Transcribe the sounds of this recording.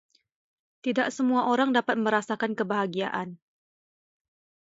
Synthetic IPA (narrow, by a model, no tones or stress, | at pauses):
t̪idaʔsəmuaʔoɾaŋdapat̪̚mə̃ɾasakankəbaɦaɡia̰ʔan